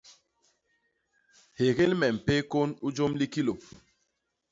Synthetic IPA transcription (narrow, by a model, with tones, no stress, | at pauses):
he˨ɣe˦lmɛ˨m̩˨pe˦ko˦nu˦d͡ʒo˦mli˦ki˦lo˨